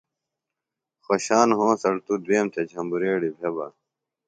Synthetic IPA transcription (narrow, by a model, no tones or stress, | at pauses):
xoɕaːnɦõːsɐɽt̪ud̪weːmt̪ʰɐd͡ʑʰʱɐ̃mbuɾeːɽibʱebɐ̰